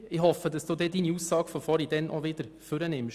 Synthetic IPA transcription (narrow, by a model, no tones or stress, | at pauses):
ɪhɔfəd̪ɑsd̥̪uːd̪ɛːd̪iːniuːsːɑːɡ̥fɔfɔːɾid̪ɛnʔɔʋɪd̪əɾføɾɛnɪm